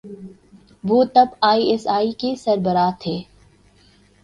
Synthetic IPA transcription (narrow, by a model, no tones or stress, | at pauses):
ʋoːt̪ɐbaːiːɛsaːikesɐɾbəɾaːt̪ʰeː